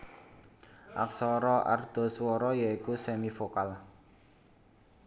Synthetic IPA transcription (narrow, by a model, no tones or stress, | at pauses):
ʔa̰ksɔɾɔʔa̰rd̪̥ɔ̤swɔɾɔjaikusemifokal